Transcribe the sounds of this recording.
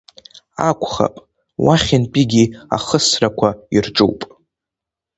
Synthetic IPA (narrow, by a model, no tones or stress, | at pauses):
akʷʰχa̰pʼ | waχʲɪnpʼiɡʲia̰χəsrakʷʰairʈ͡ʂʼṵwpʼ